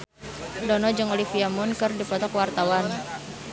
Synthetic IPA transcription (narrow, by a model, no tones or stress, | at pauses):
dɔnɔd͡ʒəŋolifiamʊnkɨrdiplɔt̪ɔkwart̪awan